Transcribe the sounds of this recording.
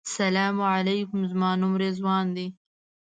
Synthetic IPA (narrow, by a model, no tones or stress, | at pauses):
salamʕalajkʊmzmɑnʊmɾezwɑːnd̪i